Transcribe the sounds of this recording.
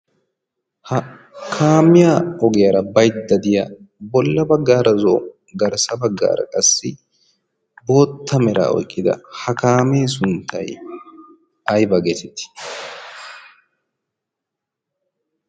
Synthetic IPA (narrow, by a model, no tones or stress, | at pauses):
hɐ | kʰaːmɪjaːɔɡɛjɐɾɐbɐjt̪d̪ɐd̪ɪjabɔlːɐbɐɡːaːɾɐzo̰ː | ɡɐɾsɐbɐɡːa̰ːɾɐ̰kʼɐsːɪ | bo̞ːt̪ʰːɐmɛɾa̰ːɔ̰jkʼːɪd̪ɐ̰hɐkaːmeːs̬ʊnt̪ʰːɐ̰j | ɐjbɐɡet̪ɛt̪ːɪ̥